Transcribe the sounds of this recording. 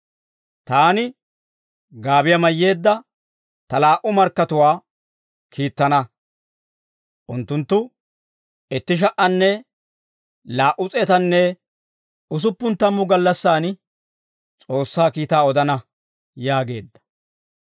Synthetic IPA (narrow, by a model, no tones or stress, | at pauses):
t̪aːnɪ | ɡaːbɪjɐmɐjːe̞ːd̪ːɐ | t̪ɐlaːʔʊmɐɾkːɐt̪ʊwaː | kʰiːt̪ːɐnɐ | ʔʊnt̪ːʊnt̪ːʊ | ɛt̪ːɪʃ̬ɐʔɐnːɛ | laːʔʊt͡sʼɛt̪ɐnːɛ | ʊs̬ʊpːʊnt̪ːɐmːʊɡɐlːɐsːaːn | t͡sʼo̞ːsːaːkiːt̪aːɔd̪ɐnɐ | jaːɡe̞̰ːd̪ːɐ̥